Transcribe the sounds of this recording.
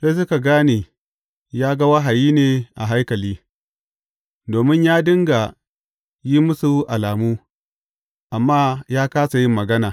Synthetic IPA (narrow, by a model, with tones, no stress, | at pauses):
se˦s̬ʊ˦ka˨ɡaː˦ni˨ | jaː˦ɡɐ˦wa˦ɦa˨jiː˦neː˨ʔa̰˨ɦa˦jkɐ˨liː˦ | doː˨mɪ˦ɲjaː˦dɪ˦ŋɡa˨ | ji˦mʊ˦su˨ʔa˨laː˨muː˦ | ʔa˨mːaː˦jaː˦kaː˦sa˨jɪ˦mːɐ˨ɡɐ˦naː˨